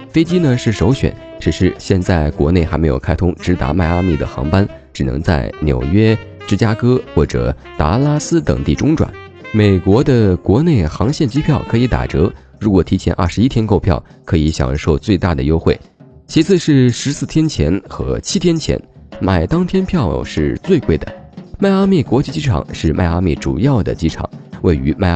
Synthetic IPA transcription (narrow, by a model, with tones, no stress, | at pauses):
fe˥ɪt͡ɕi˥nə˨ʂɻ̩˥˩ʂo˧˥ʊɕɥɛ̰˨˦n | ʈ͡ʂɻ̩˨˩ʂɻ̩˥˧ɕjɛ˥˧nt͡sa˥˩ɪkwɔ̰˧˥ne˥˩ɪxa˧˥me˧˥ɪjo˨˩ʊkʰa˥ɪt̪ʰʊ˥ŋʈ͡ʂɻ̩˧˥t̪a̰˧˥ma˥˧ɪa˥mi˥˩d̪ə̰˩xɑ̰˧˥ŋpa˥n | ʈ͡ʂɻ̩˨˩nɤ̰˧˥ŋt͡sa˥˩ɪnjo̰˨˩ʊɥɛ˥ | ʈ͡ʂɻ̩˥˩t͡ɕja˥kɤ˥xwɔ˥˩ʈ͡ʂɤ̰˨˩ | t̪a̰˧˥la˥sɹ̩˥t̪ɤ̰˨˩ŋt̪i˥˩ʈ͡ʂʊ˥ŋʈ͡ʂwa̰˨˩˦nme˨˩ɪkwɔ˧˥d̪ə˧kwɔ˧˥ne˥˩ɪxɑ˧˥ŋɕjɛ˥˩nt͡ɕi˥pʰjɑ˥˩ʊkʰɤ˧˥i˧˥t̪a̰˨˩ʈ͡ʂɤ˧˥ | ɻu˧˥kwɔ˨˩t̪ʰi˧˥t͡ɕʰjɛ̰˧˥nʔɐ̰˥˩ʂɻ̩˧˥i˥t̪ʰjɛ˥nko˥˧ʊpʰjɑ̰˥˩ʊ | kʰɤ˧˥i˧˥ɕjɑ̰˨˩ŋʂo˥˧ʊt͡swe˥˧ɪt̪a̰˥˩d̪ə̰˩jo˥ʊxwe˥˩ɪ | t͡ɕʰi˧˥t͡sʰɹ̩˥˧ʂɻ̩˥˩ʂɻ̩˧˥sɹ̩˥˩t̪ʰjɛ˥nt͡ɕʰjɛ̰˧˥nxɤ̰˧˥t͡ɕʰi˥t̪ʰjɛ˥nt͡ɕʰjɛ̰˧˥n | ma˨˩ɪt̪ɑ˥ŋt̪ʰjɛ˥npʰjɑ˥˧ʊʂɻ̩˥˧t͡swe˥˧ɪkwe˥˩ɪd̪ə̰˩˦ma˥˧ɪa˥mɛ˥˩kwɔ˧˥t͡ɕi˥˧˩t͡ɕi˥ʈ͡ʂʰɑ̰˨˩˦ŋʂɻ̩˥˧ma̰˥˧ɪa˥mɛ̰˥˩ʈ͡ʂṵ˨˩jɑ˥˩ʊd̪ə̰˩t͡ɕi˥ʈ͡ʂʰɑ̰˨˩˦ŋwe˥˩ɪy˧˥ma˥˩